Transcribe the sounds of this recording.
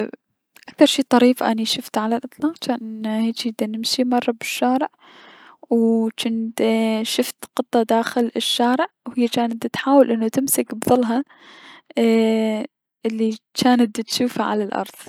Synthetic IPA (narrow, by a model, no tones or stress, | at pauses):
ʔak̚θɑɾˤʃiːt̪ˤɑɾiːfʔaniʃʊft̪ʕalalʔɑt̪ˤlɑːqt͡ʃaːnʔɪnːheːt͡ʃid̪anɪmʃimɑrˤːɑbɪʃːaːɾɪʕ | wt͡ʃɪnt̪ʃʊft̪qɨt̪ˤːɑd̪aːxɪlɪʃːaːɾɪʕwhɪjːat͡ʃaːnat̪t̪ħaːwɪlʔɪnːut̪ɪmsɪkbðˤʊlːɦɑ | ʔɪlːit͡ʃaːnat̪t̪ʃuːfaʕa̰lalʔɑ̰ɾˤðˤ